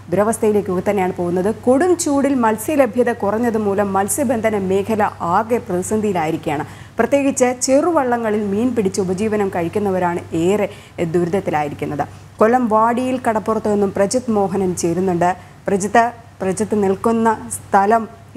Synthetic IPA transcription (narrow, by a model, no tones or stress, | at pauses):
b̪ɾɐʋɐst̪ʰɐjile̞ːkʲːuɣɐt̪ːɐnːejaːɳɨpo̞ːɣunːɐðɨkoɽumt͡ɕuːɽilmɐlsjɐlebʱjɐðɐkurɐɲːɐðɨmuːlɐmːɐlsjɐbe̞nd̪ʱɐnɐme̞ːkʰɐlɐʔaːɡeprɐðisɐnd̪ʱijilaːjiɾikʲːujaːɳɨ | prɐt̪je̞ːɡit͡ɕːɨt͡ɕeruʋɐɭːɐŋːɐɭilmiːnpiɽit͡ɕːɨubɐd͡ʑiːʋɐnɐmkɐɻikʲːunːɐʋɐɾaːɳɨeːre | d̪uɾud̪ɐt̪ːilaːjiɾikʲːunːɐðɨ | ko̞lɐmʋaːɽijilkɐɽɐpːurɐt̪ːue̞nːumprɐd͡ʑɐt̪ːmo̞ːɦɐnɐmt͡ɕejɾunːuɳɖɨ | prɐd͡ʑɐt̪ːɨ | prɐd͡ʑɐt̪ːɨniɭkunːɐst̪ʰɐlɐm